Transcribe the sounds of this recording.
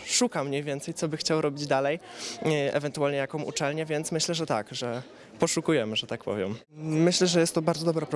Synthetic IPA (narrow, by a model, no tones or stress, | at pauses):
ʂukamɲejvʲjɛnt̪sɛjt̪sɔbɘxt͡ɕawɾɔbʲid͡ʑd̪alɛj | ɛ̰vɛnt̪ualɲɛjakɔ̃mʔṵt͡ʂɛlɲɛvʲjɛnt̪smɘɕlɛʐɛt̪a̰kʐɛ | pɔʂukujɛmɘʐɛt̪ak̚pɔ̰vʲjɛ̰m | mɘɕlɛʐɛjɛst̪ːɔbaɾd̪ɔd̪ɔbɾapɾ